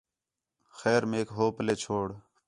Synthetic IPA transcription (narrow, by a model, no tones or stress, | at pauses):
xɛːɾmeːkɦoːpəleːt͡ʃʰoːɽ